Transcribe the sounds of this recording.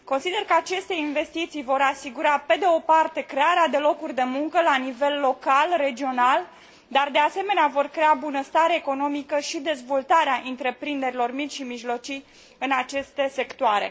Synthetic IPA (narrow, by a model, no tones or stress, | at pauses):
ko̞nsid̪erkəat͡ʃe̞st̪e̞inve̞st̪it̪sijvo̞ɾasiɡuɾape̞d̪e̞o̞part̪e̞kɾe̞aɾead̪e̞lo̞kurʲd̪e̞muŋkəlanive̞lːo̞kalre̞d͡ʒio̞nal | d̪ard̪e̞ase̞me̞neavo̞rkɾe̞abunəst̪aɾeːko̞no̞mikəʃid̪e̞zvo̞lt̪aɾeaʔɨnt̪ɾe̞pɾind̪e̞ɾilo̞rmit͡ʃʲʃimiʒlo̞t͡ʃij | ɨnat͡ʃe̞st̪e̞se̞kt̪oaɾe̞̰